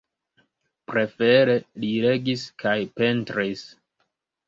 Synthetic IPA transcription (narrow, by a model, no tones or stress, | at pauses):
pɾe̞fe̞ɾe̞liɾe̞ɡiskʰajpe̞ntɾis